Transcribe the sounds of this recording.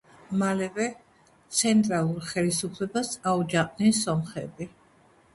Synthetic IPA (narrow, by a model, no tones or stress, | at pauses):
malɛvɛ | t̪sʰɛnt̪ʼɾalˠuɾχɛlisupʰlɛbasaud͡ʒaχʼnisɔmχɛbi